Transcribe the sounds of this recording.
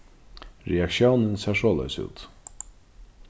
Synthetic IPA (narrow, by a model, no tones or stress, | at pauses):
ɾɛakʃjownɪnsaːʂɔːlœ̰ʏsṵːt̪